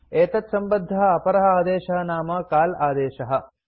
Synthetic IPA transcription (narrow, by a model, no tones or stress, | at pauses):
eːt̪ɐt̪sɐmbɐd̪ʱːɐɦɐɐpɐɾɐɦɐaːd̪eːʃɐɦɐnaːmɐkaːlaːd̪eːʃɐɦɐ̆